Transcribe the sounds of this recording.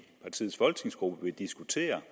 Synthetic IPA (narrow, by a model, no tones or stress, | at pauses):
pʰɑ̈t͡sʰḭːð̩ˠsfɒ̽lɡ̥̚t͡sʰe̝ŋsɡ̥ʁub̥əʋe̝d̥isɡ̥ut͡sʰe̝̰ːɐ